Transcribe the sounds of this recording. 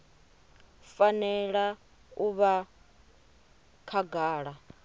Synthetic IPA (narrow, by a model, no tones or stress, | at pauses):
fanɛɺa | uβa | kʰaɡaːɺa